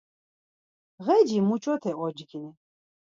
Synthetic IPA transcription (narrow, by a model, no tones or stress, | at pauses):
ʁɛd͡ʒimut͡ʃʼɔt̪ʰɛʔɔd͡ʒɡini